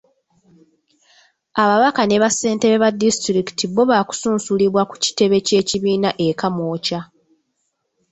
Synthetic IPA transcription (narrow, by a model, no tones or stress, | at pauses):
aβaβakane̞βasːe̞ːnte̞ɾeβadːistɾiki̥tiβo̞βaːku̥suːnsuliβwaku̥ci̥te̞βe̞ce̞ːciβiːnaʔe̞kamoːca